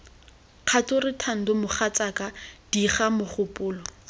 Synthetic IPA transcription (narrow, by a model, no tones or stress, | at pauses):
q͡χʰatʊrɪtʰan̩dʊmʊχat͡sakad̥iχamʊχʊpʼʊːlɔ